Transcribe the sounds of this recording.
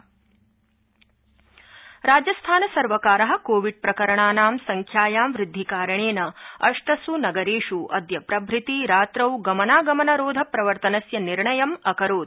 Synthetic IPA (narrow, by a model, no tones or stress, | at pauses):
ɾaːd͡ʒɐst̪ʰaːnɐsɐɾʋɐkaːɾɐɦɐ̆koːʋiɖ̚pɾɐkɐɾɐɳaːnaːmsɐŋkʰjaːjaːmʋɾɪd̪ʱːikaːɾɐɳeːnɐɐʂʈɐsunɐɡɐɾeːʂuʔɐ̰d̪jɐpɾɐbʱɾit̪iɾaːt̪ɾɐwɡɐmɐnaːɡɐmɐnɐɾoːd̪ʱɐpɾɐʋɐɾt̪ɐnɐsjɐniɾɳɐjɐmɐkɐɾoːd̪̚